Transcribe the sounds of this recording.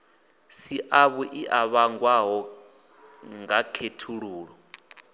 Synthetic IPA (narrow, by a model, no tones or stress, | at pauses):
siʔaβuʔiʔaβaŋɡwaɦɔ | ŋɡakʰetʰuɺuːɺɔ